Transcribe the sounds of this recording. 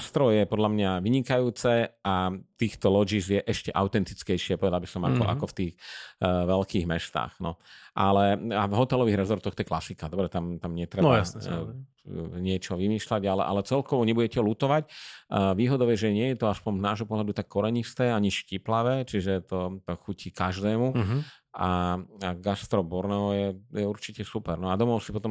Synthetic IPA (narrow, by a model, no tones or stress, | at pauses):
st̪ɾɔjɛpɔd̪ʎamɲaʋiɲikajuːt͡sɛat̪iːxt̪ɔlɔd͡ʒiːzjɛʔɛʃcɛʔaʊt̪ɛnt̪it͡skɛjʃɪɛpɔʋɛd̪albisɔma̰kɔʔa̰kɔft̪iːxʋɛlkiːɣmɛst̪a̰ːɣnɔʔalɛavɦɔt̪ɛlɔʋiːɣɾɛzɔɾt̪ɔɣt̪ɔjɛklasikad̪ɔbɾɛt̪amt̪amɲɪɛt̪ɾɛa | ɲɪɛt͡ʃɔʋimiːʃlaɟalɛ̰ʔa̰lɛt͡sɛlkɔʋɔɲɛbuɟɛcɛlut̪ɔʋacːʋiːɦɔd̪ɔʊjɛʒɛɲɪɛjɛt̪ɔaspɔɲznaːʒɦɔpɔɦlad̪ut̪akːɔɾɛɲist̪ɛːaɲiʃciplaʋɛːt͡ʃiʒɛt̪ɔt̪ɔxucʰikaʒd̪ɛːmu | aaɡast̪ɾɔbɔɾnɔwjɛjɛuɾt͡ʃicɛsupɛɾnɔad̪ɔmɔʊsipɔt̪ɔm